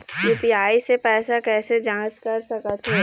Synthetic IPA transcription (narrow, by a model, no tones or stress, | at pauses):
puːpiaːisepɛːsakɛːsed͡ʒãːt͡ʃkɐɾsɐkət̪ɦo